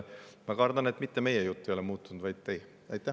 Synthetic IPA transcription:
mɑkɑrd̪ɑne̞t̪ːˑmit̪ːeme̞jejut̪ːejo̞lemuːt̪ːˑund̪vɑjd̪̥̚t̪e̞j | ɑjt̪ːˑæ

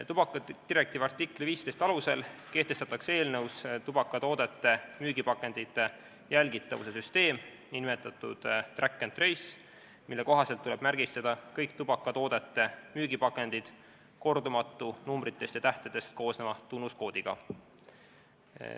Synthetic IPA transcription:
t̪ub̥ɑkːˑɑd̪̥iɾe̞k̚t̪iːvɑrt̪ikːˑliviːst̪e̞jst̪ɑluse̞lke̞ht̪e̞st̪ɑt̪ːˑɑkse̞ːlnəuwst̪ub̥ɑkːˑɑt̪o̞ːd̪̥e̞t̪ːe̞myːɡipɑkːˑe̞nd̪it̪ːe | jælɡit̪ˑːɑvṵse̞syst̪e̞ːm | inmet̪ːˑɑt̪ˑːud̪̥t̪rækːent̪ːrejs | milːe̞ko̞ɦɑselt̪ːule̞b̥mærɡ̥ist̪ɑd̪̥ɑkɤjkt̪ub̥ɑkːˑɑt̪o̞ːd̪̥e̞t̪ːe̞myːɡipɑkːˑe̞nd̪̥id̪̥ | ko̞rd̪umɑt̪ːˑunumbrit̪ːˑe̞st̪jɑt̪æht̪ed̪̥e̞st̪̚ko̞ːsnemɑt̪unːusko̞ːd̪̥iɡ̥ɑ̰

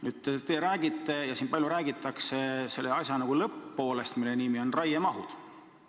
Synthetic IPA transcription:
nyːd̪t̪et̪eɾæːɡ̥it̪ˑːe̞jɑsiːnpɑlʲjuɾæːɡit̪ːˑɑkse̞se̞lːeɑsʲjɑnɑɡ̥ulɤpːo̞ːle̞st̪milːe̞niːmio̞nrɑjemɑɦud̪̥

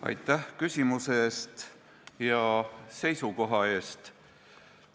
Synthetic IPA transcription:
ɑ̰jt̪ːˑæhkysʲimusest̪ | jɑse̞jsuko̞ɦɑe̞ːst̪

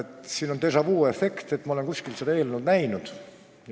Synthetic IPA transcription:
et̪siːnont̪esɑvuːefːe̞kt̪et̪ːˑmɑole̞nkusʲkilsed̪ɑe̞ːlnud̪næjnud̪̥

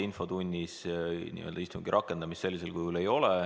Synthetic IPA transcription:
info̞t̪unʲːisnḭø̞ld̪̥ɑist̪umɡ̥iɾʔɑkːˑe̞nd̪̥ɑmistːse̞lʲːise̞lkujhule̞jo̞lɛ

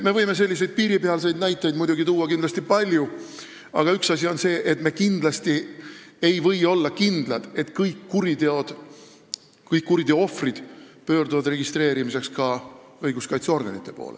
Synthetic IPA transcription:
me̞vɤjme̞s̬e̞lʲːis̬e̞jd̪̥̚piːɾipeɑlse̞jd̪næjt̪ːˑejd̪mujd̪uɡit̪uːwːɑkind̪lɑsʲt̪ipɑlʲju | ɑ̰ɡ̥ɑyksɑsʲio̞nse̞ːʔe̞t̪me̞kind̪lɑst̪iejvɤ̞jo̞lːɑkind̪̥lɑd̪̥e̞t̪kɯjkːuɾid̪eo̞d̪̥ | kɯjkːuɾid̪e̞oo̞frid̪̥pø̞ːrd̪uvɑd̪re̞ɡist̪ɾe̞ːɾimise̞kskɑɤjɡuskɑjt̪so̞rɡ̥ɑ̰nit̪ːˑe̞po̞̰ːlḛ

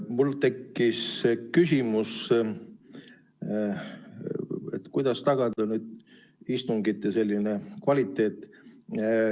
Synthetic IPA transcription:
mult̪e̞kːiskysʲimus | ḛt̪kujd̪̥ɑst̪ɑɡ̥ɑd̪̥ɑnyd̪̥̚ | ist̪uŋɡit̪ːˑese̞lʲːinekvɑlʲit̪ˑːe̞ːt̪ːˑ

